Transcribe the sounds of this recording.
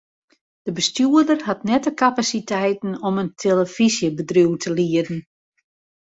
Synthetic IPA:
d̥əbəstjuədərhatnɛtəkapasitʰɛjtn̩ɔməntʰeləfizjəbədruwtʰəliədn̩

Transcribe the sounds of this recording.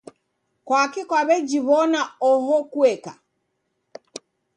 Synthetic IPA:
kwakikwaβɛd͡ʒiβɔnaɔɦɔkuɛka̰

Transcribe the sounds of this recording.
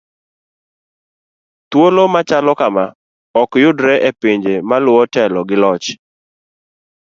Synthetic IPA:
t̪wolomat͡ʃalɔkama | ɔkjʊdɾɛʔepiɲd͡ʒemalʊɔtɛlɔɡɪlɔt͡ʃ

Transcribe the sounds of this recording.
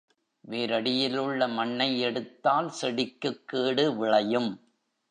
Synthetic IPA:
ʋeːɾɐɽɪjɪlɯɭːɐmɐɳːɐɪɛɽɯt̪ːaːlsɛɽɪkːɯkːeːɽɯʋɪɭɐjɯm

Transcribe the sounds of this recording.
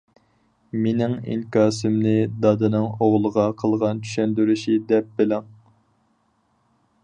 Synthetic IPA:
menɪŋḭŋkɑːsɪmnɨd̪ɑd̪ɨnɨŋoʁlˠəʁɑqʰəlˠʁɑnt͡ʃʰy̥ʃɛnd̪yɾyʃid̪ɛp̚bɪlɪŋ

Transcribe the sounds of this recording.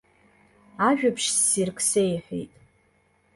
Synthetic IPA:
aʒᶣapʂsːirkʰʼsejħᶣḛjtʼ

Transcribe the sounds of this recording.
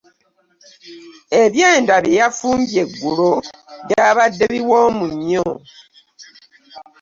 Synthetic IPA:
e̞βjeːndaβjejafuːmbje̞ɡːuloβaβadːeβiwoːmuɲːo

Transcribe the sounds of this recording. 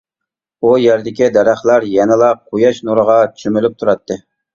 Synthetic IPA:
ujæɾd̪ɪkʲid̪ɛɾæχlˠæɾjɛnɨlˠɑqʰojɑʃnuɾəʁɑt͡ʃʰy̥ʃymylyp̚t̪ʰuɾɑt̪ʰːɨ

